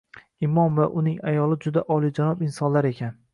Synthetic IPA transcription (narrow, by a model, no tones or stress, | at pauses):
ɪmɒmvaʔʊnɪŋajɒlˠɪd͡ʒʊd̪aʔɒlid͡ʒanɒpɪnsɒnlaɾe̞kʲʰan